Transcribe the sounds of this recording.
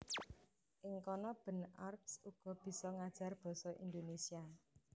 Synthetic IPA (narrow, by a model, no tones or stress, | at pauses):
ʔɪŋkɔnɔb̥ə̤narpsuɡ̥ɔ̤b̥i̤sɔŋad̥ʒ̥a̤rb̥ɔ̤sɔʔḭnd̪onesia